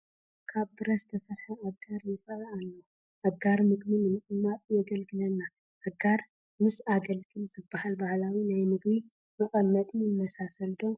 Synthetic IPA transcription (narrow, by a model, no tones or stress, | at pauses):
kʰaβd̪ɨɾɐst̪ʰɐsɐɾħɐʔɐɡaɾjɪfɐaalːo | ʔɐɡaɾmɨɡmɨnɨmɨʔʼɨmːat̪ʼjɛɡɐlɡɨlɐnːa | ʔɐɡaɾ | mɨsaɡɐlɡɨlzɨbːahalbahlawinajmɨɡbi | mɐkʼɐmːɐt̪ʼɪnːɐsasɐld̪o